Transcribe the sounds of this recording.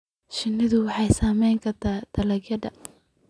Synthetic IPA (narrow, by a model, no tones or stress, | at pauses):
ʃɪnɪðʊwɑħɑjsaːmɛjŋkʰɐt̪ʰaːd̪̥ɐlɐɡjɐdɐ